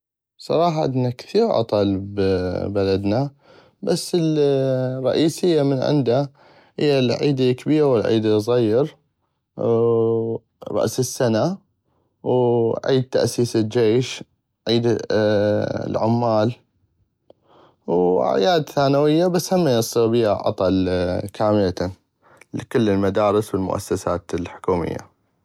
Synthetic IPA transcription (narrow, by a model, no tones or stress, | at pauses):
sˤɑ̰ɾˤɑːħɑʔɪdnːakθiːɾʔɑ̰t̪ˤɑlbbalad̪na | basːɪl | rˤːɑ̰ʔiːsɪjːamənʕɪ̰nd̪a | hɪ̰jːalʕḭːd̪ikbiːɾawɪlʕḭːd̪ɪzˤɑjːɪɾ | ɾˤɑ̰ʔsɪsːana | wʕiːd̪̚t̪aʔsiːsɪld͡ʒeːʃ | ʕiːd̪ | lʕʊmːaːl | wʔa̰ʕjaːd̪θaːnawɪjːabashamːajɑsˤːiːɾbiːaʔɑ̰t̪ˤɑlkʰaːmɪla | lkʊlːɪlmad̪aːɾˤɪswɪlmʊ̰ʔa̰sːasaːt̪lħʊ̥kuːmɪ̰jːa̰